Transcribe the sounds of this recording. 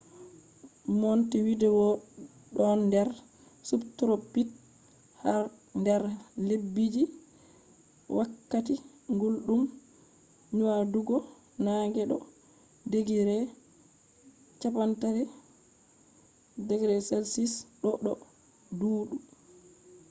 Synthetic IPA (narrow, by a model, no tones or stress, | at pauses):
mɔntiwidɛwɔ | ɗɔndɛɾ | subtɾopːit | haɾ | ndɛɾlebːid͡ʒi | wʔakːati | ŋɡulɗum | ɲuwaduɡɔ | naŋɡɛɗɔ̰ | deɡiɾɛ | t͡ʃapantaɾɛ | deɡɾɛsɛlsisɗɔɗɔ | duːɗu